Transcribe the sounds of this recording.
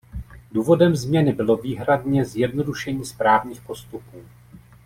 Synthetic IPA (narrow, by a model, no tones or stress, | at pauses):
duːvo̞dɛmzmɲɛnɪbɪlo̞viːɦɾadɲɛzjɛdno̞duʃɛɲiːspɾaːvɲiːxpo̞st̪upuː